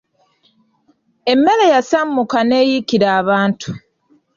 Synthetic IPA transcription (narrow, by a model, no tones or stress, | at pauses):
e̞mːe̞le̞jasamːukane̞ːjikiɾaːβaːntʰu̥